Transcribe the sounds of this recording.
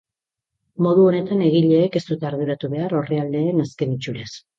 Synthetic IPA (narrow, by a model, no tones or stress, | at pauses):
mo̞ð̞uo̞ne̞t̪ane̞ɣiʎe̞ːke̞st̪ut̪aːɾðuɾat̪uβe̞aɾo̞reald̪e̞ːnaske̞nit͡ʃuɾe̞s